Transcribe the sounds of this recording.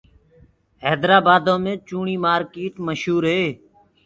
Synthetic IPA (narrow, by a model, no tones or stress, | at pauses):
ɦɛːd̪ɾaːbaːd̪õːmẽːt͡ʃuːɳiːmaːɾkeːʈməʃɦuːɾɦeː